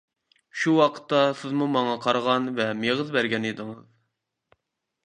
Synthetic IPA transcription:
ʃuwɑqʰə̥t̪ːɑsɪzmumɑŋɑqʰɑɾʁɑnvɛmeʁəzbæɾɡʲɛnid̪ɨŋəz

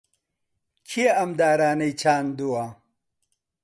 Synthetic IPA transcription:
kʰieɐmd̪aːɾaːnɐjt͡ɕʰaːnd̪uwa

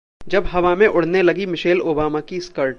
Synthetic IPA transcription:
d͡ʒɐbɦɐʋamẽʔʊɽ̤nelɐɡimɪʃeːloːbaːmakiskɐɾʈ

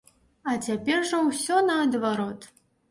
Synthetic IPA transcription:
ɐt͡sʲapʲɛrʐɐwsʲɔnɐːd̪vaɾɔt̪

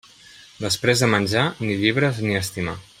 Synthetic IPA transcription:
d̪əspɾezðəmənʲʒaniʎiβ̞ɾəzniəst̪ima̰

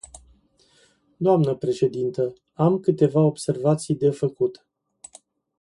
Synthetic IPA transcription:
d̪oamnəpɾe̞ʃe̞d̪int̪ə | amkɨt̪e̞vao̞bse̞rvat̪sijd̪e̞fəkut̪

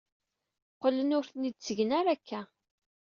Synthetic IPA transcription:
qːələnʊɾθnid̪̚t͡sːəʝənæɾækʰːæ

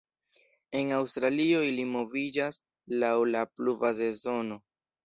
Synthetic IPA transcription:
e̞nawstɾalio̞ilimo̞vid͡ʒas | lawlapluvaze̞zo̞no̞

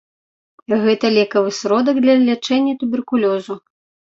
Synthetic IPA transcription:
ɣɛt̪ɐlʲɛkɐvɨsɾɔd̪ɐɡ̚d̪lʲɐlʲat͡ʂɛnʲːɐt̪ubʲɛrkulʲɔzu

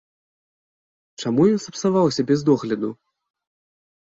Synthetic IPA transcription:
t͡ʂamujɔnsɐpsavawsʲɐbʲɛzd̪ɔɣlʲɐd̪u

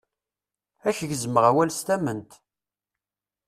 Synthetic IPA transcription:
æçʝzəməʁæwælst̪æmənt̪

